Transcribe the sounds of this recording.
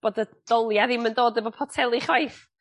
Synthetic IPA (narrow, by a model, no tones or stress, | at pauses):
b̥oːdəd̥ɔlˠjaðiməndoːdəvɔpʰɔtʰɛlˠiχwajθ